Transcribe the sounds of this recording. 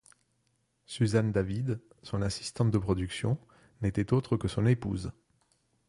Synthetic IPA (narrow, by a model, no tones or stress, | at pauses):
syzand̪avid̪ | sɔ̃nasi̥st̪ɑ̃t̪̚d̪əpχɔd̪yksjɔ̃ | net̪ɛt̪ot̪χəkəsɔ̃nepṵz